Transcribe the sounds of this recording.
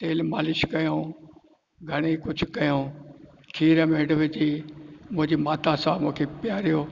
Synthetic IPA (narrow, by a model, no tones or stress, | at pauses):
t̪eːlmaːlɪʃkɐjõː | ɡʱɐɽ̃ekʊd͡ʑʱkɐjõː | kʰiːɾəmẽɖʋɪd͡ʑiːmʊ̃ɦɪ̃ɲd͡ʑimaːt̪ãsãmũkʰepɪjaːɾijoː